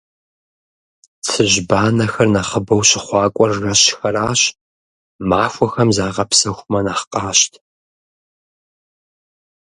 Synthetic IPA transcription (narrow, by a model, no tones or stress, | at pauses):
t͡sʰɨʑbaːnɐxɐrnɐχəbɐwɕɪχʷɑːkʷʼɔrːɐɕxɐraːɕ | maːxʷɔxɐmzaːʁɐpsɐxʷmɐnaːχqʼɑːɕtʰ